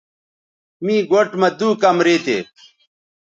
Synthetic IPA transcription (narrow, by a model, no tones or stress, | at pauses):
miːɡoʈmɐd̪uːkɐmɾeːt̪ḛː